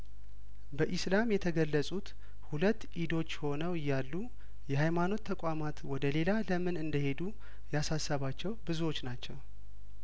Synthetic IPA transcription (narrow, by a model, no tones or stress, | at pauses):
bəʔɪslamjɛt̪ʰəɡəlːəsʼut̪ | hulət̪ːʔid̪o̞t͡ʃːho̞nəwɨjːalːu | jɛhajmano̞t̪ʰːəkʷʼamat̪wɔd̪əle̞laləmɨnɨnd̪əhe̞d̪u | jasasːəβat͡ʃːɛwbɨzuwo̞t͡ʃːnat͡ʃːɛw